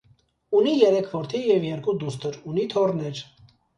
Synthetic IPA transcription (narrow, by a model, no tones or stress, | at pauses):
unijɛɾɛkʰvɔɾt̪ʰijɛvjɛɾkud̪ust̪ʰəɾunit̪ʰɔrnɛɾ